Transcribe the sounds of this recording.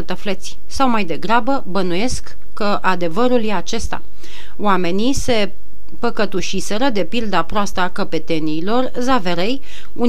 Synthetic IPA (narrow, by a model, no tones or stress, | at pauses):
ət̪əflet̪sʲ | sawmajd̪e̞ɡɾabəbənuje̞skː | əʔad̪e̞vəɾuljeat͡ʃe̞st̪a̰ | wame̞nise̞ | pəkət̪uʃise̞ɾəd̪e̞pild̪apɾoast̪akəpe̞t̪e̞niːlo̞r | zaveɾe̞j | un